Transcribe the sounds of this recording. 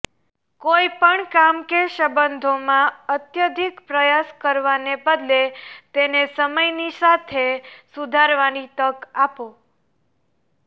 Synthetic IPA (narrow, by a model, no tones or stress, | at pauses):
koipəɳkamkeʃəbənd̪ʱomãət̪jəd̪ʱikpɾəjaskəɾʋanebəd̪let̪enesəməjnisat̪ʰesud̪ʱaɾʋanit̪əkapo